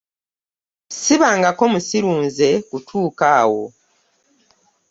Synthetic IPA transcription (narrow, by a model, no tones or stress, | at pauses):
siβaːŋɡako̞musiɾuːnze̞kutʰuːkaːwo̞̰